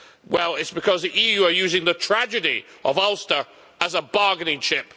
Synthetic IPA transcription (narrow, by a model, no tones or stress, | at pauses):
wɛlˠɪtsb̥ɨkʰʌzðiʔijʉə˞jʉzɪ̃ŋðətʰɹ̥æd͡ʒɨɾi | ʔʌvɔlˠstə˞ | əzəbɑɹɡɨnɪ̃ŋt͡ʃʰɪp̚